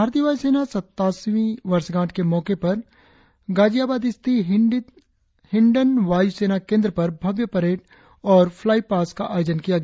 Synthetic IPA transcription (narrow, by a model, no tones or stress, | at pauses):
bʱaːɾt̪iəʋaːjuseːnasɐt̪ːaːsʋĩʋɐɾsɡãːʈʰkemɔːkepɐɾ | ɡaːd͡ʒijaːbaːd̪ɪst̪i | hɪ̃ɳɖənʋaːjuseːnakẽːnd̪ɾəpɐɾbʱɐʋjəpɐɾeːʈ̚ | ɔːɾpʰlaːipaːskaʔaːjoːd͡ʒənkijaɡɐ